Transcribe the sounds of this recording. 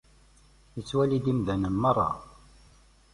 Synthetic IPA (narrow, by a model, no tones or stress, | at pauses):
jət͡sːwælid̪imðænəmːɑrˤːɑ̰